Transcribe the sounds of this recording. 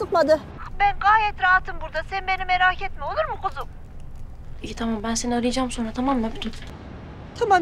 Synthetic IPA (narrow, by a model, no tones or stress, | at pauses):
ɯpmad̪ɯ | bænɡaːjɛt̪ɾaɦat̪ʰːɯmbuɾd̪asenbenimeɾaːcʰɛt̪̚mio̞lˠuɾmukʰozum | eit̪ʰamambænseniaɾɯjad͡ʒaːmso̞nɾat̪ʰamamːɛbut̪ʰut̪ | t̪ʰama